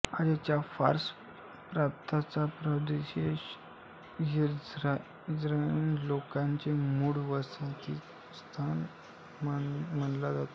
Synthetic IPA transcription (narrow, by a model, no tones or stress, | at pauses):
ad͡ʑat͡ɕjafa̰ɾs | pɾap̚t̪ʰat͡sapɾəd̪eɕeɕ | jiɾ | d͡zɾajnlokãɲt͡ɕemuɽʋəsat͡ɕiː | st̪ʰan | m̤əɳlad͡zat̪o